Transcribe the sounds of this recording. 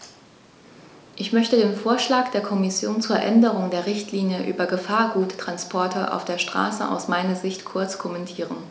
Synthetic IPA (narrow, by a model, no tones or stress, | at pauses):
ʔɪçmœçtədeːnfoːɐʃlaːkd̥eːɐkʰɔmɪsjoːnt͡suːɐʔɛ̰ndəʁ̞ʊŋdeːɐʁɪçtʰliːnjəʔy̰ːbɐɡəfaːɐɡuːttʁ̥anspʰɔɐtʰɐʔa̰ʊfd̥eːɐʃtʁ̥a̰ːsə̰ʔa̰ʊsmaɪnɐzɪçtkʰʊɐt͡skʰɔmɛntʰiːʁ̞ən